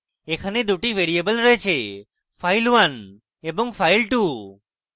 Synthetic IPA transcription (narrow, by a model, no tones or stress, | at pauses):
ekʰaned̪uʈibʱeɾiebəlɾɔet͡ʃʰe | pʰajlwan | ebɔŋpʰajlʈu